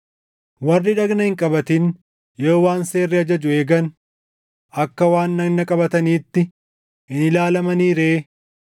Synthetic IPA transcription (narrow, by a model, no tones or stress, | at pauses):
wɐrːɪᶑɐɡnɐhɪŋkʼɐbɐt̪ɪn | joːwaːnse̞ːrːɪɐd͡ʒɐd͡ʒʊe̞ːɡɐn | ʔɐkːɐwaːnːɐɡnːɐkʼɐbɐt̪ɐniːt̪ːɪ | ɪnɪlaːlɐmɐniːɾeː